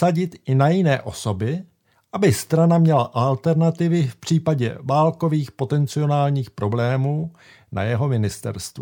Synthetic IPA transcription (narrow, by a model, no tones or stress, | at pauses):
saɟɪt̪ʔɪnajɪnɛ̰ːʔo̞so̞bɪ | ʔabɪst̪ɾanamɲɛlaʔalt̪ɛɾnat̪ɪvɪfpr̝̥iːpaɟɛ̰vaːlko̞viːxpo̞t̪ɛnt͡sɪo̞naːlɲiːxpɾo̞blɛːmuː | na̰jɛɦo̞mɪnɪst̪ɛ̰ɾst̪vu